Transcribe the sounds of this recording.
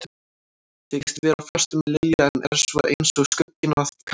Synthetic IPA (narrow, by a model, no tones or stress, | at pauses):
θʰecɪ̥st̪vɛːɾafœr̥t̪ʏmlejaɛnʔɛ̰ɾ̥sva̰ʔejnsɔɣskœcːɪnaðkʰ